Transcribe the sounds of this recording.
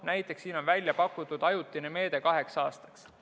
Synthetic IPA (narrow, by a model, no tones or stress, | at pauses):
næjt̪ˑːe̞ksːiːno̞nvælʲjɑpɑkːut̪ːˑud̪̥ɑjut̪ːˑineme̞ːd̪̥e̞kɑɦe̞ksɑːst̪ɑ̥ks